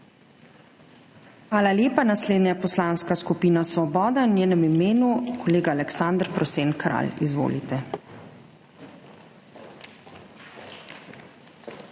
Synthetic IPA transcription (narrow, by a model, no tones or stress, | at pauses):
xʋaːlaljeːpanasleːd̪njapɔslaːnskaskupiːnasʋɔbɔːd̪anjeːnɛmimeːnukɔleːɡaːlɛksand̪ɾpɾɔseːnkɾa̰lizʋo̰ːlit̪ɛ